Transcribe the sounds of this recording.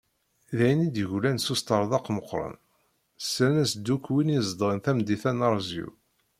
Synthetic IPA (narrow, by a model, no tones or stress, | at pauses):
ðæjnid̪ʝlænsust̪ɑɾˤðˤɑqːməqːɾˤə̰n | sɾænæsd̪ːukːwinizˤd̪ʁənθæmd̪iθænɑɾˤzṵ